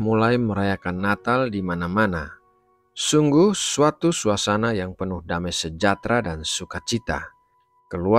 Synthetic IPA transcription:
mulajməɾajakanːat̪aldimanamana | suŋɡuhsuat̪usuasanajaŋpənʊhdamajsəd͡ʒat̪ɾadansukat͡ʃit̪a̰ | kəlua

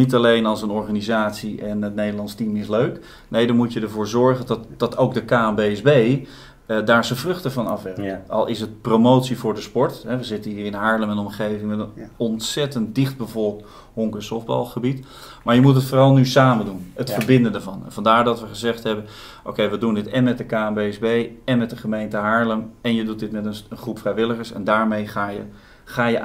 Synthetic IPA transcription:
nitalejnɑlˠsənɔɹχaːnizaːtsiʔɛnətnejdəlɑnstimɪsløɥk | nejdɑmucjədəɹvʊːɹzɔɹχəndɑtd̥ɑtowkdəkaːɛmbejɛzbej | daːɹzəvrɵχtəvɑnɑ̰fʋɛrəkɑ̰lˠɪs̬ət̚promowtsivʊːɹdəspɔɹtɦɛʋəzɪtənɦiːrɪnɦaːɹləmɛnɔmχejvɪŋmɛtənɔntsɛtəntdɪχd̚bəvɔlˠk̚t | ɦoŋkənsɔfdbɑ̰lˠχəbit | maːɹjəmutɦətfoːrɑlˠnysaːməndunɦətfəɹbɪndəndəvɑnɛ̰nvɑndaːɹdɑtʋəχəzɛχtɦɛbən | ʔo̰wkejʋədundɪtɛnmɛt̚dəkaːɛmbejɛzbejɛnmɛt̚dəχəmejntəɦaːɹləmɛnjədut̚dɪtmɛtəənχrupfrɛjʋɪləχəɹsɛ̰ndaːɹmejχaːjə | χaːjə

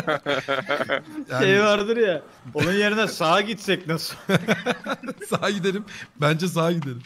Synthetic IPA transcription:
jaʃejvaɾd̪ɯɾja | onunje̞ɾinɛsaːɟit̪sɛcnasɯ | saaɟid̪eɾimbænd͡ʒɛs̬aːɟid̪eɾim

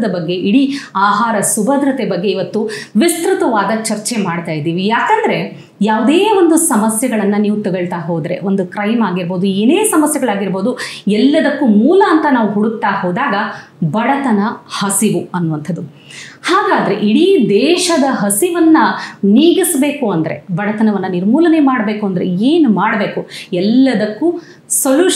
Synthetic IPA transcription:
d̪ɐbɐɡːe̞ʔiɽiaːɦaːɾɐsubʱɐd̪ɾɐt̪ebɐɡːe̞iʋɐt̪ːuʋist̪ɾut̪ɐʋaːd̪ɐt͡ʃɐɾt͡ʃemaːɖt̪aːjid̪iːʋijaːkɐnd̪ɐɾe̞ | jaːʋud̪eːo̞nd̪usɐmɐsjɐɡɐɭɐnːɐniːʋut̪ɐɡɐɭt̪aːɦoːd̪ɐɾe̞̰o̞nd̪ukɾɐjmaːɡiɾbo̞ːd̪ueːneːsɐmɐsjɛɡɐɭaːɡiɾboːd̪uɛlːɐd̪ɐkːumuːlɐːnt̪ɐnaːʋuɦuɽut̪ːaːhoːd̪aːɡɐ | bɐɽɐt̪ɐnɐhɐsiʋuɐnːuʋɐnt̪ʰɐd̪u | haːɡaːd̪ɐɾe̞̰ʔiɽid̪ɛːʃɐd̪ɐɦɐsiʋɐnːɐniːɡisbe̞ːkuɐnd̪ɐɾe̞̰bɐɽɐt̪ɐnɐʋɐnːɐniɾmuːlɐne̞maːɽbe̞ːkuɐnd̪ɐɾeeːnumaːɽɐbe̞ːkuɛlːɐd̪ɐkːu | soljuː

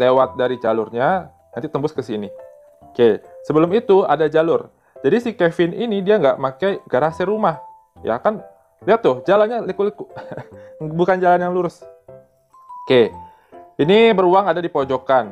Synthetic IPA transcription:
lewat̪̚daɾid͡ʒalʊrɲa | nanit̪əmbʊskəsini | kesəbəlʊmit̪ua̰dad͡ʒalʊr | d͡ʒadisikefɪninidiaŋɡa̰ʔmakajɡəɾaseɾumah | ja̰kan | liat̪ːʊhd͡ʒalanɲalikuliku | bukand͡ʒalanjaŋluɾʊs | ke | inibəɾuaŋadadipod͡ʒokan

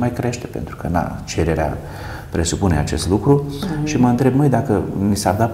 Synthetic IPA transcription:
majkɾe̞ʃt̪e̥pe̞nt̪ɾu̥kəna̰t͡ʃe̞ɾe̞ɾea̰ | pɾe̞supune̞at͡ʃe̞st̪lukɾuʃiməɨnt̪ɾe̞b̚mɨjd̪akənisard̪at

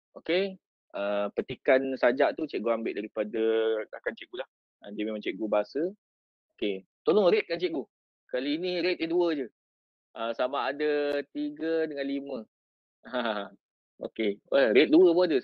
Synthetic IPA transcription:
ʔoke | əpət̪ikansad͡ʒaʔt̪ut͡ʃɛʔ̚ɡuambɪ̰ʔ̚daɾipadəakant͡ʃɛʔɡulah | ədiəmemãŋt͡ʃɛʔ̚ɡubaasə | oket̪olɔŋɾet̪̚kant͡ʃɛʔ̚ɡu | kaliiniɾet̪̚iduəd͡ʒə | ʔəsamaːdət̪iɡədəŋanlimə̃ | ɦã | o̰kewaɾet̪̚duəpoadə

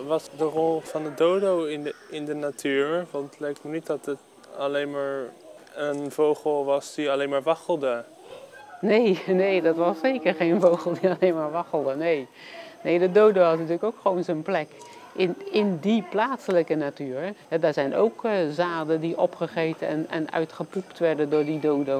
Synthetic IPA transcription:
ʋɑsdərɔlˠv̥ɑndədowdownɪndənatʰyːɹʋɑnlɛjk̚tməɹnit̚dɑtət | ɑleːnmaːɹənvowχəlˠʋɑsdiɑleːnmaːɹʋɑχəlˠdə | nejnejdɑtʋɑseːkərχejnvowχəl̩ˠdiɑlenmaːɹʋɑxəlˠdənej | nejdədowdəhɑsnətyːləkowkχəʋonzonplɛk | ʔɪnɪndiplaːtsələkənatyːɹɦɛdaːɹzɛjnowkzaːdəndiʔɔpχəχejtənɛ̰nɛ̰nœ̰ɥtχəpuptʋɛɹdəndʊːɹdidowdə

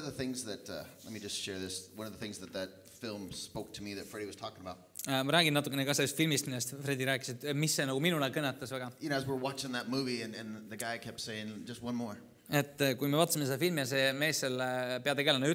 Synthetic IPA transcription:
ʌʌvðəθɪ̃ŋzðɨtʌ̰lɛt̚mid͡ʒʌstʃɛɹðɪswʌ̃nʌvðəθɪ̃ŋzðɨt̪̚ðɨt̚ | fɪlˠmspoʊk̚tʰəmiðɨtfɹɛɾiwʌz̥tʰɔkɪ̃ŋəbaʊt̚mɑɾæːɡinːɑt̪ukːenekɑselːest̪filmist̪milːest̪fɾed̪iɾæːkːˑiset̪misːe̞nɑɡuminulekɤnːet̪ːˑɑsvæɡ̥ɑjɨnoʊɨzwɪɹwɑt͡ʃɪ̃ŋðɨt̚muviɨ̃nɨ̃nðɨɡaɪkʰɛp̚tseɪɪ̃ŋd͡ʒʌst̚wʌ̃nmɔɹ | e̞t̪ːˑkujmeɑːt̪ːˑɑsimesed̪ɑfilmijɑse̞me̞ːsːelpeɑt̪eɡe̞lenɑy

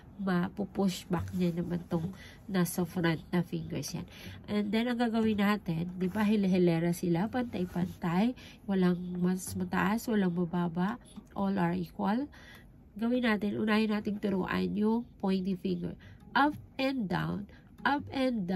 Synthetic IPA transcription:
mɐpʊpʊsbak̚ɲanɐmɐnt̪oŋ | nasɐfɾant̪̚nɐfɪŋɡɛ̰ɹsja̰nʔɛnd̪ɛnɐŋɡaːɡɐwɪnaːt̪ɪnd̪ɪbaɦɛlɛɦɛlɛɾɐsɪlapɐnt̪ajpɐnt̪aj | wɐlaŋmɐsmɐt̪ɐ̰ʔaswɐlaŋmɐbaːbaʔ | ʔolʔɐɹʔiːkwɐl | ɡɐwɪnaːt̪ɪnʔʊ̰naːjɪnaːt̪ɪŋt̪ʊɾṵːʔa̰njʊŋpojnt̪ifɪŋɡɛ̰ɹʔap̚ʔɛnd̪d̪a̰wn | ʔapɛnd̪

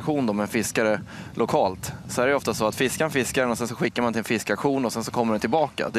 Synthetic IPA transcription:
kɧuːnd̪ɔmɛnfɪskaɾəlʔʊkʰɑːlt̪sɔhæɾɛɔft̪asoat̪fɪskanfɪskaɾɛnɔsɛnsɔɧɪkːaɾmanʰɪlɛnfɪskakɧuːnɔsɛnsɔkʰɔmːəɖɛnt̪ʰɪlbɑːka̰d̪ɛ

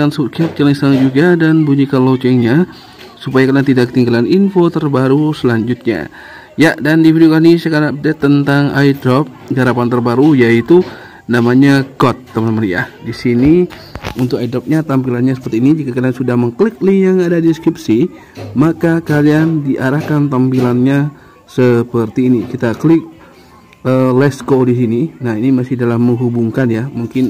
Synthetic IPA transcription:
ans̚kap̪̚t͡ʃəlɪŋsaŋd͡ʒuɡadanbuɲikanlot͡ʃɛŋɲa | supajakaliaŋt̪idaʔkːət̪iŋɡalaninfot̪ərbaɾusəlaɲd͡ʒʊt̪̚ɲa̰ | jaʔdandifidiokahnisjakanap̚dɛt̪ːənt̪aŋaidɾɔp̚ɡaɾapant̪ərbaɾujait̪u | namaɲaɡɔt̪ːamənmərja̰disini | unt̪ʊk̚aidɾɔp̚ɲat̪ampilanɲasə̥pərt̪iːnid͡ʒikakaliansudahməŋklɪk̚lijaŋadadiskɾip̚si | makakaliandiʔaɾahkant̪ampilanɲa | səpərt̪iːnikit̪aklɪk̚ | əlɛskodis̬ininaɦinimasɪhdalahmːəŋɦubuŋkanjamuŋkɪn

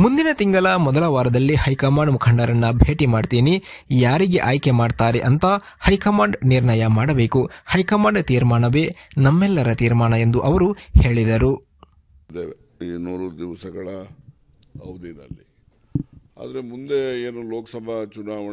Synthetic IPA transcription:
mund̪inɐt̪iŋɡɐlɐmɔd̪ɐlɐʋaːɾɐd̪ɐlːihɐjkɐmaːɳɖmukʰɐɳɖɐɾɐnːɐbʱeːʈimaːɖt̪iːnijaːɾiɡe̞ʔaːjkemaːɖt̪aːɾeʔɐnt̪ɐ | hɐjkɐmaːɳɖniɾɳɐjɐmaːɽɐbe̞ːkuhɐjkɐmaːɳɖt̪iːɾmaːɳɐʋe̞ːnɐmːɛlːɐɾɐt̪iːɾmaːɳɐe̞nd̪uʔɐʋɐɾuhe̞ːɭid̪ɐɾu | d̪eʋe | iːnuːɾud̪iʋsɐɡɐɭɐ | ɐʋd̪inɐ̰lːi | a̰ːd̪ɐɾemund̪eeːnuloːkɐsɐbʱɐt͡ʃunaːʋɐ

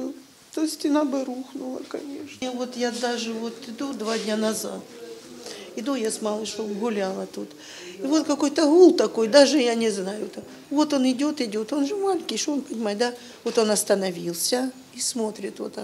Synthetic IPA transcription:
t̪osʲtʲɪnabɨɾuxnʊlˠə̰kɐnʲeʂnvo̞t̪jad̪aʐɨvo̞t̪ɪd̪ud̪vadʲnʲanɐzat̪ | ɪd̪ujasmɑlˠɨʂobɣʊlʲalˠɐt̪ut̪ | ɪvo̞t̪kɐko̞jt̪əɦulˠt̪ɐko̞jd̪aʐɨjanʲɪznajʊt̪a | vo̞t̪o̞nɪdʲo̞t̪ɪdʲo̞t̪o̞nʐɨmalʲɪŋʲkʲɪjʂoonpənʲɪmajɪt̪d̪a | vo̞t̪o̞nɐst̪ɐnɐvʲilˠsʲɐ | ismot̪ɾʲɪt̪vo̰t̪

